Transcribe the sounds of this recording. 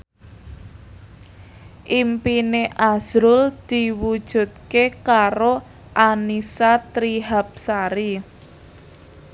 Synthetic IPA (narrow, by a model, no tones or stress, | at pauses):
ʔimpineʔaz̥ɾʊld̪̥i̤wud̥ʒ̥ṳt̪̚kekaɾo | ʔanisat̪ɾiɦap̚saɾi